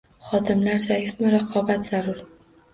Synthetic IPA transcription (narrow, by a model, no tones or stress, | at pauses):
χɒd̪ɪmlaɾsajɪfmɪɾaqʰɒbat̪z̥aɾʊɾ